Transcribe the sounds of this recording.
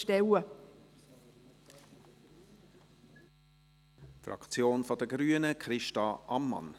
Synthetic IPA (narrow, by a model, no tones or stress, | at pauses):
tɛwə | frɑ̰kt͡sjoːnfɔd̪əɡɾyːənəkχɾɪʃtɑʔɑmːɑ̰n